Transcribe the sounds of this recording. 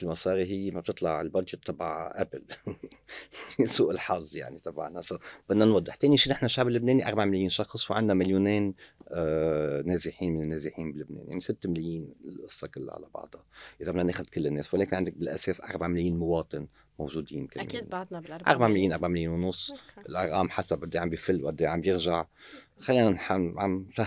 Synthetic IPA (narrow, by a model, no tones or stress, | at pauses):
ɪlmɑsˤɑːɾiɦɪjːmab̚t̪ɨt̪ˤlɑʕɪlbɑʒɪt̪ˤːɑbaʕʔabɪl | suːʔɪlħɑzˤːja̰ʕnit̪ˤɑbʕnasawb̥ɪd̪ːanwɑd̪ˤːɪħt̪eːniʃiːnɪħnaʃaʕbɪlːɪbneːniʔɑɾˤbaʕmɪljiːnʃɑxsˤwʕandnamaljuːneːnː | neːzɪħiːnmɪnɪnːeːzɪħiːnbɪlːɪbnḛːnja̰ʕnisɪt̪ːmɪljiːnlʔɨsˤːɑkɪlːa̰ʕa̰la̰bɑ̰ʕd̪ˤɑʔɪzabɪnːaneːxʊd̪kɪlːɪnːeːswɪleːkɪnʕɪnd̪ɪk̚bɪlʔa̰seːsʔɑ̰ɾˤbaʕmɪljiːnmʊwɑːt̪ˤɨn | mowʒuːd̪iːnkam̰ːnd̪ʔɑ̰ɾˤbaʕmɪljiːnʔɑɾˤbaʕmɪljiːnwnʊsˤːʔɪlʔɑɾˤʔɑːmħasabʔad̪ːiʕambjɪfɪlːwʔad̪ːiʕambjɪɾʒaʕxalːiːnanħaʕamfa